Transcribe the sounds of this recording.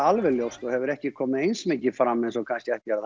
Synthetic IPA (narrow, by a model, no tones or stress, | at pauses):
alvɛljowst̪ɔɣhɛvʏɾɛhcɪkʰɔːmɪejnsmɪcɪfɾamːɛnsɔkʰanskcɪɛht̪ɛɾa